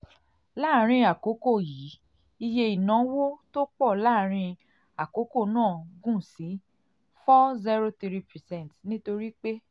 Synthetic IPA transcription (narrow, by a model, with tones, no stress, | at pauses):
laː˦˨ɾ̃ĩ˧a˨ko˨˦ko˦˨ji˨˦ | i˧je˧i˨nã˨˦wo˦to˦k͡pɔ˦˨laː˦˨ɾ̃ĩ˧ | a˨ko˨˦ko˦˨nãː˦˨ɡũ˦˨sĩ˨˦ | fɔ˦zi˦ɾo˦t̪i˧ɾi˦pɛ˨sɛ̃˦˨tnĩ˦to˧ɾi˦k͡pe˦